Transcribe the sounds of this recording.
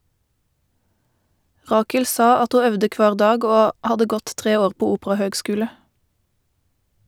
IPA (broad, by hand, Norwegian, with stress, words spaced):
ˈʁɑːkəl ˈsɑ ˈɑt ˈhuː ˈœʋdə ˈkʋɑːʁ ˈdɑːɡ ˈoː ˈhɑdə ˈɡɔt ˈtʁeː ˈoːʁ ˈpoː ˈuːpʁɑhøːɡˌskʉːlə